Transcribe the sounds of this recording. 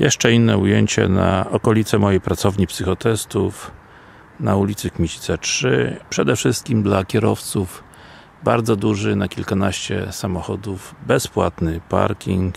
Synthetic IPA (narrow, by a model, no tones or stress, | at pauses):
jɛʂt͡ʂɛinːɛujeɲt͡ɕɛ̰na̰ɔkɔlʲit̪sɛmɔjejpɾat̪sɔvɲipsɘxɔt̪ɛst̪uf | naulʲit̪sɘkmʲit͡ɕi̥t̪sɛtʂɘ̰pʂɛd̪ɛfʂɘst̪̚kʲimd̪lakʲɛɾɔft̪suv | baɾd̪zɔd̪uʐɘnakʲilkanaɕt͡ɕɛ̰samɔxɔd̪uvbɛspwat̪nɘpa̰ɾkʲiŋk